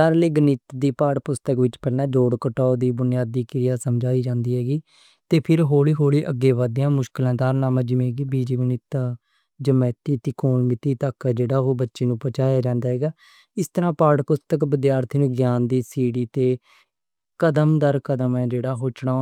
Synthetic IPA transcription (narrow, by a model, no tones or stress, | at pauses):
aːɾleːɡənɪt̪d̪iːpaːɽpʊst̪əkʋɪt͡ʃpəːnɛːd͡ʒoːɽkəʈaːd̪iːbʊnɪjaːd̪iːkɪɾɪjaːsəmd͡ʒaːiːd͡ʒãːnd̪iːɦɛːɡiː | t̪eːpʰɪɾɦoːɭiːɦoːɽiːʔəɡːeːʋaːd̪ɪjãːmʊʃkɪlãːd̪aːɾnaːmãːd͡ʒɪmẽːɡiːbiːd͡ʒiɡənɪt̪ː | d͡ʒəmɛːt̪iːt̪iːkoːnmɪt̪iːt̪əkd͡ʒeːɽaːɦoːbətːʃeːnũːpət͡ʃaːjaːd͡ʒãːnd̪aːɦɛːɡaː | ɪst̪əɾãːpaːɽpʊst̪əkbəd̪jaːɾt̪ʰiːnũːɡjaːnd̪iːsiːɽiːt̪eː | kəd̪əmd̪əɾkəd̪əmɛːd͡ʒeːɽaːɦoːt͡ʃɳaː